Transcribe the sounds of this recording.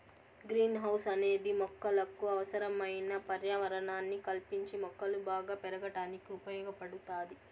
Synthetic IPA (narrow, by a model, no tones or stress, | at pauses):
ɡɾiːnɦɐwsɐne̞ːd̪imɔkːɐlɐkuɐʋɐsɐɾɐmɐjnɐpɐɾjaːʋɐɾɐɳaːnːikɐlpiɲt͡ʃimɔkːɐlubaːɡaːpɛɾɐɡɐʈaːnikiupɐjɔːɡɐpɐɽut̪aːd̪i